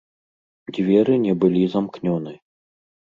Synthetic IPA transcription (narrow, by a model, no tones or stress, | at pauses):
d͡zʲvʲɛɾɨnʲɛbɨlʲizamknʲɔnɨ